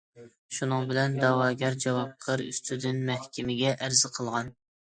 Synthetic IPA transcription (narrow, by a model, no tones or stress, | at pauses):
ʃunɨŋbɪlɛnd̪ɑwɑːɡʲɛɾd͡ʒɛwɑp̚qʰəɾy̰st̪ʰyd̪ynmɛhkʲʰɪmɪɡʲɛʔæɾzɪqʰəlˠʁɑn